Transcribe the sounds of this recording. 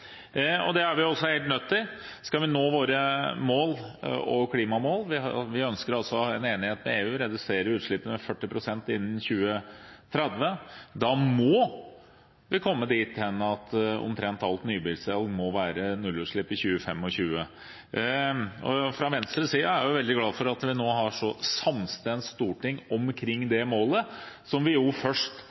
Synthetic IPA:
ɔ̰d̪ɛæɾʋɪʊɔsːɔheɪlt̪nœt̪ʰːɪlskɑʋɪnoːʋoːɾəmoːlɔ̰kʰliːmɑmoːlʋɪɑʋɪœnskəɾɑlsɔɑɛneːnɪheːt̪mɛeːʉːɾɛd̪ʉseːɾəʉːt̪ʂɭɪpːənmɛfœʈːɪpʰɾʊsɛnt̪ɪnːn̩çʉːət̪ʰɾɛd̪ʋəd̪ɑmɔ | ʋɪkʰɔmːəd̪iːt̪hɛnːəɑt̪ɔ̰mt̪ʰɾɛnt̪ɑlt̪nyːbɪlsɛlɡmɔʋæːɾənʉlːʉːt̪ʂɭɪpːɪçʉːəfɛmːɔɕʉːə | ɔfɾɑʋɛnst̪ɾəsiːɑæɾjʊʋɛld̪ɪɡlɑːfɔɾɑt̪ʋɪnoːɦɑʂɔsɑmst̪ɛnst̪uːʈɪŋːɔmkʰɾɪŋːd̪ɛmoːləsɔmʋɪjʊfœʂʈ

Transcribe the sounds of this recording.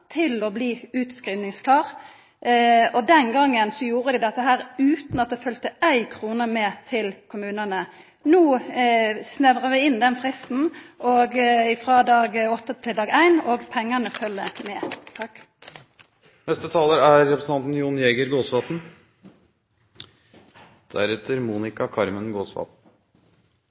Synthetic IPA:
t̪ʰɪlɔbliːʉːt̪skʁiːʋnɪŋskʰlɑːʁ | ɔd̪ɛnɡɑŋːənsɔjuːɾəd̪ɪd̪ɛt̪ːəɦæːɾʉːt̪nɑt̪̚d̪ɛfœlt̪əʔæɪkʰʁuːnəmeːt̪ʰɪlkʰʊmʉːnənə | nuː | snɛʋʁəʋɪɪnd̪ɛnfʁɪst̪n̩ʔoːɡɪfʁɑd̪ɑːɡɔt̪ːət̪ʰɪld̪ɑːɡæɪnoːɡpʰɛŋːɑnəfœlːəmeːt̪ʰɑkː | nɛst̪ət̪ʰɑːləɾæɾɾɛpɾsn̩ʰɑnt̪n̩junjɛːɡəɾɡoːsʋɑːt̪n̩ | d̪̥æ̰ɾɛt̪əɾmuːnɪkɑkʰɑɾmənɡoːsʋɑ̰ːt̪n̩

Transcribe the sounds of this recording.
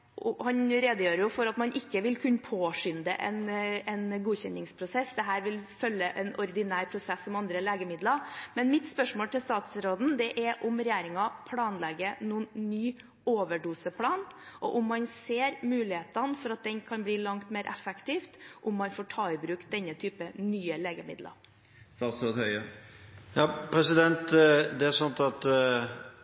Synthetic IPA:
ɔhɑnɾeːd̪əjøːɾəjʊfɔɾɑt̪mɑnʔɪkːəʋɪlkʰʉnːəpʰoːʂʏnd̪ə̰ʔɛ̰nɛnɡuːçɛnːɪŋspʰɾʊsɛsd̪ɛɦæːɾʋɪlfœlːəʔɛnɔɾd̪ɪnæːɾpʰɾʊsɛsːɔmɑnd̪ɾəleːɡəmɪd̪lɑmɛnmɪt̪spœʂmoːlt̪ɪlst̪ɑːt̪sɾoːd̪n̩d̪ɛʔɛɾʔʊmɾɛjæːɾɪŋɑpʰlɑːnlɛɡːənuːnːyː | oːʋəɖuːsəpʰlɑːnʔɔʔʊmːɑnseːɾmʉːlɪheːt̪ɑnfɔɾɑt̪̚d̪ɛnkʰɑnbliːlɑŋt̪meːɾʔɛfɛkt̪ʰiːft̪ʔʊmːɑnfoːʈʰɑːɪbɾʉːkt̪̚d̪ɛnːət̪ʰyːpənyːəleːɡəmɪ̰d̪lɑ̰ɾ | st̪ɑːt̪sɾoːd̪hœʏə | jɑːpʰɾɛsɪd̪ɛnt̪d̪ɛæɾsɑnt̪ɑt̪

